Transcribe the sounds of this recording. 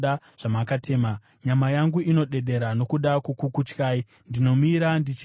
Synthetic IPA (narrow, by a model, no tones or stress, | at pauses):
a | ʐ̥amakatʰe̞ːma | ɲamajaŋɡuino̞ɗe̞ɗe̞ɾano̞kuɗakukukut͡ʃkaːi | ndino̞miɾandit͡ʃ